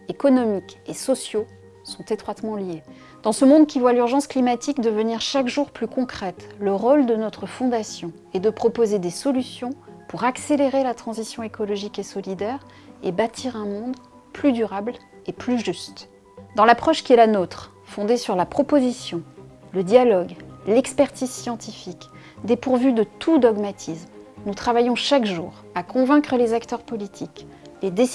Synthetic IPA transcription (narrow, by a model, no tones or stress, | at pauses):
ekɔnɔmikesɔsjo | sɔ̃t̪et̪χwat̪mɑ̃lje | d̪̥ɑ̃səmɔ̃d̪kʲivwalyʁʒɑ̃sklimat̪ikd̪əvəniʁʃakʒuʁplykɔ̃kχɛt̪ləʁold̪ənɔt̪χəfɔ̃d̪asjɔ̃ | ɛd̪əpχɔpozed̪esɔlysjɔ̃puʁakseleʁelat̪χɑ̃zisjɔ̃ekɔlɔʒikesɔlid̪ɛʁ | ebat̪ʰiʁɛ̃mɔ̃d̪ | plyd̪yʁabl | eplyʒyst̪ | d̪ɑ̃lapχɔʃkʲiɛlanot̪χ | fɔ̃d̪esyʁlapχɔpozisjɔ̃ləd̪jalɔɡlɛkspɛʁt̪izsjɑ̃t̪ifik | d̪epuʁvyd̪ət̪ʰud̪ɔɡmat̪ʰismnut̪χavajɔ̃ʃakʒṵːʁ | akɔ̃vɛ̃kχəlezakt̪œʁpɔlit̪ʰikled̪e